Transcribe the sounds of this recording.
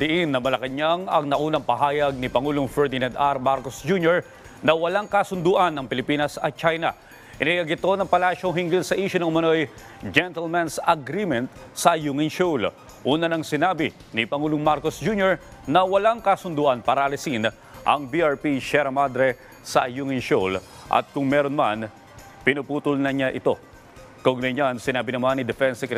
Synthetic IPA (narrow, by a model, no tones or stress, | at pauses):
d̪ɪʔinːɐmɐlɐkɐɲaŋɐŋnɐʔuːnɐŋpɐɦaːjɐɡ̚nipɐŋuːloŋfɛɹd̪ɪnãnd̪aɾmaɾkosd͡ʒunjoɹ | nɐwɐlaŋkɐsʊnd̪uːʔɐnːɐŋpɪlɪpiːnɐsɐt̪̚t͡ʃajnɐ̰ | ʔɪnɐjɐɡɪt̪o̞nɐŋpɐlaːʃoɦiŋɡɪlsɐʔiːʃʊnɐŋʔʊmɐno̞j | d͡ʒɛnt̪ɛlmɛnsɐɡɾimɛnt̪̚sɐjuŋɪnʃol | ʔuːnɐnɐŋsɪnaːbi | nipɐŋuːlʊŋmaɾkosd͡ʒuːnjoɹ | nɐwɐlaŋkɐsʊnd̪uːʔɐnpaːɾɐʔɐlɐsin | ʔɐ̰ŋbiaɹpiʃɛɾɐmad̪ɾɛ | sɐ̰juŋɪnʃol | ʔɐ̰t̪̚kʊŋmɛɾonman | pɪnʊpuːt̪ʊlnɐɲaʔɪt̪o̞ | kɐʔʊɡ̚nɐjɲansɪnaːbinɐmanːid̪ɛfɛnsɛkɾɛ